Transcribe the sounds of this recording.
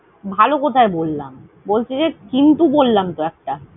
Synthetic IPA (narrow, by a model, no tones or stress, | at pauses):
bʱalokot̪ʰaebolːam | bolt͡ɕʰid͡ʑekint̪ubolːamt̪oɛk̚ʈa